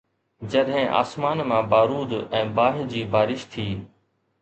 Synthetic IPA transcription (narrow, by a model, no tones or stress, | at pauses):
d͡ʑɐɗɦɪ̃ʔa̰ːsmaːnmãːbaːɾuːd̪ɛ̃ːbaːɦɪd͡ʑiːbaːɾɪʃt̪ʰiː